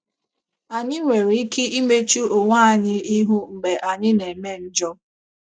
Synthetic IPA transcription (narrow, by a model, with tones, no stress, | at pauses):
a˨ɲɪ˦ŋʷe˨ɾi˨i˦ki˦i˦me˦t͡ʃu˦o˨ŋʷaː˦˨a˦˨ɲɪ˦i˦ɦu˦ŋ͡m̩˨ɡ͡be˨ʔa˨ɲɪ˦ne˨me˦n̩˦d͡ʒɔ˦